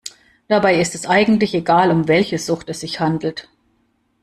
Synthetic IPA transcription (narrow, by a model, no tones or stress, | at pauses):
d̥abaɪɪstɛsʔaɪɡŋ̩tlɪçeɡaːlʊmvɛlçəz̥ʊχtɛsz̥ɪçhandl̩t